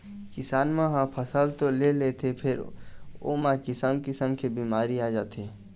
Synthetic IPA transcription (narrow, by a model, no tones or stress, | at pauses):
kɪsaːnmẽɦãpʰəsəlt̪olelet̪ʰepʰɪɾo̰makɪsəmkɪsəmkebiːmaːɾiaːd͡ʒaːt̪e